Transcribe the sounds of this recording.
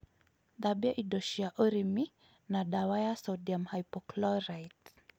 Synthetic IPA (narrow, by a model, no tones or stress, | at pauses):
ðaɓiaʔiɗɔʃiaʔɔɾimi | naɗawajasɔdiamhajpɔklɔɾajt